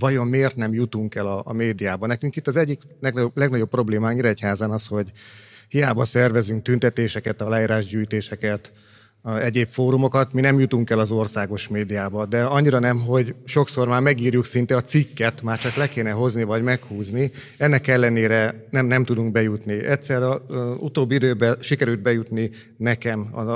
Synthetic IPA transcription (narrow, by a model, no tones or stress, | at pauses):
vɒjo̞mmeːrt̪nɛmjut̪uŋkɛlɒːmeːd̪ijaːbɒnɛkyŋkit̪ːɒzɛɟːik | lɛɡnɒoblɛɡnɒɟo̞pːro̞bleːmaːɲiɾɛchaːzanɒsho̞ɟhijaːbɒsɛrvɛzyŋk̚t̪ynt̪ɛt̪eːʃɛkɛt̪ɒlaːiːɾaːʒɟyːjt̪eːʃɛkɛt̪ | ɛɟeːpfoːɾumo̞kɒt̪minɛmjut̪uŋkɛlɒzo̞rsaːɡo̞ʃmeːd̪ijaːbɒd̪ɛɒɲːiɾɒnɛmɦo̞ɟʃo̞kso̞rmaːrmɛɡiːrjuksint̪ɛɒt̪sikːɛt̪maːrt͡ʃɒklɛkeːnɛɦo̞znivɒɟmɛkhuːzni | ɛnːɛkɛlːɛneːɾɛnɛmnɛmt̪ud̪uŋk̚bɛjut̪niɛt̪sɛrɛɒut̪oːbːiid̪øːbɛʃikɛɾylt̪̚bɛjut̪ni | nɛkɛmɒ̰